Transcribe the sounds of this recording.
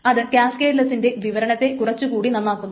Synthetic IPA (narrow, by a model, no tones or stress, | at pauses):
ɐðɨkjaːske̞ːɖlɐsinde̞ʋiʋɐɾɐɳɐt̪ːe̞kurɐt͡ɕːukuːɽinɐnːaːkːunːu